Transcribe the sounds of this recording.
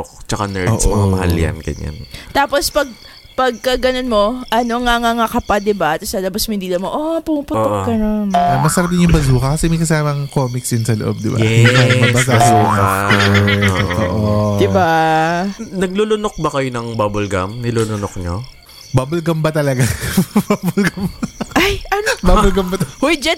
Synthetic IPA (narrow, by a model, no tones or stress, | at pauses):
okt͡ʃɐkanɛɹsmɐŋamɐha̰lja̰nɡɐ̰ɲa̰nt̪aːpo̞spɐɡ̚ | pɐɡ̚kɐɡɐnonmo̞ʔɐnoŋɐŋaŋakɐpad̪ɪbat̪ɐsɐlɐbɐsmohɪnd̪iːlɐmoʔoapʊupʊːɡɐnonɐmɐsɐɾɐb̚d̪ɪnjʊŋbɐzuːkɐkɐsɛmɐjkɐsaːmɐŋkoːmɪksjʊnsɐlo̰ʔo̰b̚d̪ɪbajɛaɐbsuːkɐ | ʔʔoːʔod̪ɪba | nɐɡ̚lulʊnok̚bɐkɐjonɐŋbabʊlɡɐ̰mnɪlulʊnok̚ɲo̰ | baːbʊlɡɐmbɐt̪ɐlɐɡababʊlɡɐmʔajʔɐbabʊlɡɐmbɐt̪hʊjd͡ʒɐ